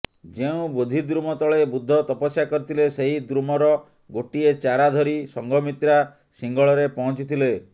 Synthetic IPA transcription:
d͡ʒeũbod̪ʱid̪ɾumɔt̪ɔɭebud̪ʱːɔt̪ɔpɔsjakɔɾit̪ʰileseɦid̪ɾumɔɾɔ | ɡoʈiet͡ʃaɾad̪ʱɔɾisɔŋɡɔmit̪ɾa | siŋɡɔɭɔɾepɔɦɔ̃t͡ʃit̪ʰile

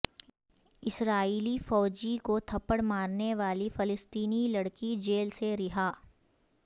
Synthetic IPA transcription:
ɪsɾaːiːlifɔːd͡ʒikot̪ʰɐpəɽmaːɾneʋaːlifɪlɪst̪iːnilɐɽkid͡ʒeːlseɾɪɦaː

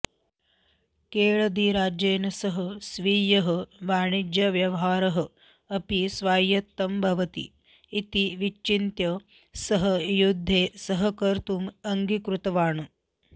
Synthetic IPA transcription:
keːɭɐd̪iɾaːd͡ʒeːnɐsɐɦɐsʋiːjɐɦɐʋaːɳid͡ʒjɐʋjɐʋɦaːɾɐɦɐ̆ | ɐpisʋaːjɐt̪ːɐmbʱɐʋɐt̪ḭː | t̪iʋit͡ʃt͡ʃːint̪jɐ | sɐɦɐjud̪ʱːeːsɐɦɐkɐɾt̪umɐŋɡikɾut̪ɐʋaːɳɐ

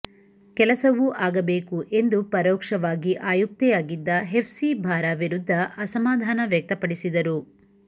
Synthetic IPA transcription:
kɛlɐsɐʋuʔaːɡɐbe̞ːkuʔe̞nd̪upɐɾɔːkʂɐʋaːɡiʔaːjuk̚t̪ɛjaːɡid̪ːɐɦepʰsibʱaːɾaʋiɾud̪ʱːɐʔɐsɐmaːd̪ʱaːnɐʋjɐk̚t̪ɐpɐɽisid̪ɐɾu

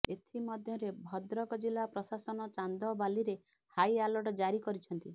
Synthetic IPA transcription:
et̪ʰimɔd̪ʱjɔɾebʱɔd̪ɾɔkɔd͡ʒilapɾɔsasɔnɔt͡ʃand̪ɔbaliɾe | hajalɔʈɔd͡ʒaɾikɔɾit͡ʃʰɔnt̪i

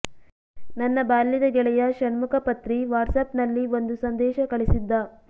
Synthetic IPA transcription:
nɐnːɐbaːlːid̪ɐɡɛɭɛjɐʃɐnmukʰɐpɐt̪ɾiʋaːɾsɐpnɐlːio̞nd̪usɐnd̪ɛːʃɐkɐɭisid̪ːɐ

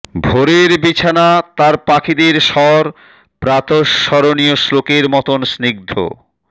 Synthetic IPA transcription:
bʱoɾeɾbit͡ɕʰanat̪aɾpakʰid̪eɾʃɔɾ | pɾat̪oʃːɔɾonioslokeɾmɔt̪onsniɡ̚d̪ʱo̰

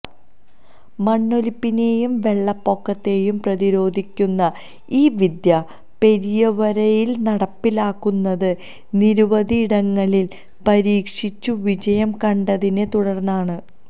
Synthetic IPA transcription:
mɐɳːo̞lipːineːjumʋe̞ɭːɐpːo̞kːɐt̪ːe̞jumprɐðiɾo̞ːd̪ʱikʲːunːɐ | iːʋid̪jɐ | pe̞ɾijɐʋɐɾɐjilnɐɽɐpːilaːkːunːɐðɨ | niɾuʋɐðiːɽɐŋːɐɭil | pɐɾiːkʂit͡ɕːuʋid͡ʑɐjɐmkɐɳɖɐðine̞t̪uɽɐrnːaːɳɨ

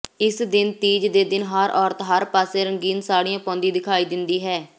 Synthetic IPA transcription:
ɪsd̪ɪnt̪iːd͡ʒd̪eːd̪ɪnɦəɾɔːɾt̪ɦəɾpaːseːɾəŋɡiːnsaːɽijãːpɔ̃ːnd̪ĩːd̪ɪkʰaːiːd̪ɪnd̪iːɦɛː

